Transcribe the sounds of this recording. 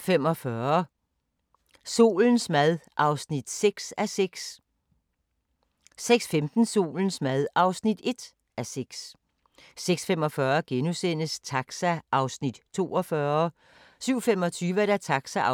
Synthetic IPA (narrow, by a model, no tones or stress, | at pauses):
fem̰ɒ̽fɶɐ | so̝̰ːln̩smæðˠʔɑ̈ʊsnid̥seɡ̥sæseɡ̥s | seɡ̥sfemd̥n̩so̝̰ːln̩smæðˠɑ̈ʊsnid̥e̝d̥ | ʔæseɡ̥s | seɡ̥sfemɒ̽fɶɐɡ̥enusen̰əst͡sʰɑɡ̥sæʔɑ̈ʊsnid̥t͡sʰo̝̰ːɒ̽fɶɐ | syʊ̰fem̰ɒ̽t͡sʰyːʋəæɾ̥æt͡sʰɑ̈ɡ̥sæ